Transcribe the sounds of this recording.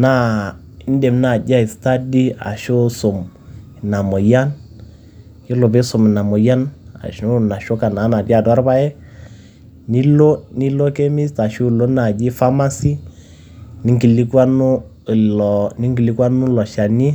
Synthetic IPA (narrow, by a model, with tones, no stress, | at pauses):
na˦ | ɪ˦n˦de˨mna˨d͡ʒa˦ɪ˨sta˦di˦a̰˨ʃo˦so˨mɪ˨na˨mo˨ja˦n | jɪ˦lo˨be˦sʊ˨mɪ˨na˨mɔ˨ja˦na̰˨ʃo˦na˨ʃo˦ka˨na˨˦na˨bi˦a˨dwa˦ɾba˦ɛ˦ | ni˦lo˦ni˦lo˦ke˦mi˦sta˨ʃu˦˨lo˦na˨d͡ʒɪ˦fa˦ma˦si˦ | nɪ˦ŋki˨li˦kwa˦nu˦˨ | lɔ˨nɪ˦ŋɡi˨li˦kwa˦nʊ˦lɔ˨ʃa˨ni˦